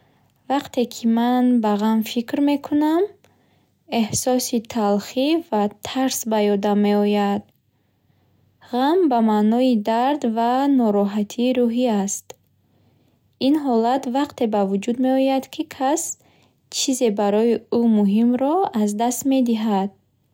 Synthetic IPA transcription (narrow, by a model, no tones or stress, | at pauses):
vaqt̪ʰe̞kʰimanbaʁamfikɾme̞kʰunam | e̞hsɔsit̪ʰalχivat̪ʰaɾsbajɔd̪amːe̞ɔjad̪̥̚ | ʁambamanɔid̪aɾd̪vanɔɾɔɦat̪ʰiːɾuɦiast̪ | inɦɔlat̪vaqt̪ʰe̞bavud͡ʒud̪me̞ɔjad̪kʰikʰas | t͡ʃʰize̞baɾɔjiumuɦimɾɔazd̪ast̪me̞d̪iɦad̪̥̚